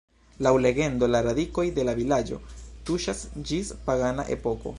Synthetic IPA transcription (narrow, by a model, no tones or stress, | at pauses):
lawle̞ɡe̞ndo̞laɾadiko̞jde̞lavilad͡ʒo̞̰tuʃasd͡ʒispaɡana̰ʔe̞̰po̞ko̞̰